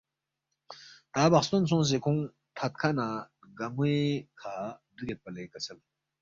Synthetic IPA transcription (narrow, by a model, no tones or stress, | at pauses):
t̪abaχst̪ont͡sʰoŋɕ̬ekʰoŋ | t̪ʰat̪̚kʰanaɡamwekʰad̪əɡelpalekəsʰəl